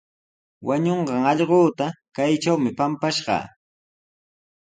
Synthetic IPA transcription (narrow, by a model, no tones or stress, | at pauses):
wʔaɲoɴɢɑŋɑʎɢoːt̪akajt͡ʃawmɪpampaʃɢɑ̰